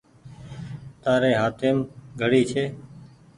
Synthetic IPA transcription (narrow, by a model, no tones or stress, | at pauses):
t̪aːɾeːɦaːt̪ʰeːmɡʱəɽiːt͡ʃʰeː